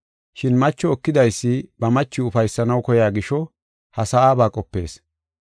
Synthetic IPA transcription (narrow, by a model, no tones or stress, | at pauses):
ʃɪnmɐt͡ʃːɔɔkːɪd̪ɐjsːɪbɐmɐt͡ʃːɪʊfɐjsːɐnɐwkɔjaːɡɪʃɔ | hɐsɐaːbaːkʼɔpːe̞̰ːs